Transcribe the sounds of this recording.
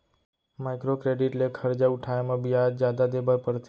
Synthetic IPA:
majkɾokɾeɖiʈlekʰəɾd͡ʒauʈʰajamãbijad͡ʒjad̪ad̪ebəɾpəɾt̪

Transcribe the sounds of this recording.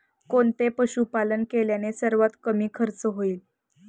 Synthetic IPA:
kont̪epəɕupalənkeljanesəɾʋat̪kəmiːkʰəɾt͡səɦoiːl

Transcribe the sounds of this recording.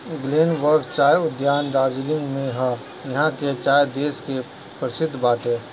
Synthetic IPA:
ɡleːnʋəɾɡt͡ʃaːjʊd̪jaːnɾaːd͡ʒilɪ̃ŋɡmẽɦã | jɐɦãket͡ʃaːjd̪eːske | pɾəsɪd̪ʱːbaːʈeː

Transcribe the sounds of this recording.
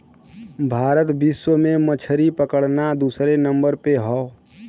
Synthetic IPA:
bʱaːɾət̪biswəmẽmət͡ʃʰəɾipəkəɽnad̪uːsɾenə̃mbəɾpeɦɔ

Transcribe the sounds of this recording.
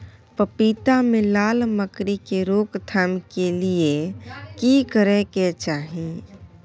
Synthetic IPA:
pəpiːt̪amẽlaːlməkɾikeɾoːkt̪ʰamkeliekikəɾeket͡ʃaːɦẽ

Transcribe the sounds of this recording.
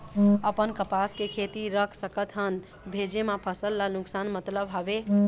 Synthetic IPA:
əpənkəpaskekʰet̪iɾəkʰsəkət̪ɦən | bʱed͡ʒemãpʰəsəlːanuksanmət̪ləbɦɔbe

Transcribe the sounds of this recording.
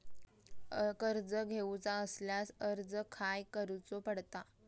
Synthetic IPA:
kəɾd͡zəɡʱeut͡saəsljasəɾd͡zəkʰajkəɾut͡sopəɽt̪a

